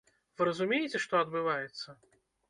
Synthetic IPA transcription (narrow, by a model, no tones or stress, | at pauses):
vɨɾɐzumʲejɛt͡sʲɛʂt̪ɔɐd̪̚bɨvajɛt̪sːɐ